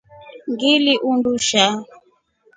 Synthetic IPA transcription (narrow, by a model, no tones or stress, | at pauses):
ŋɡiliʔunduʃa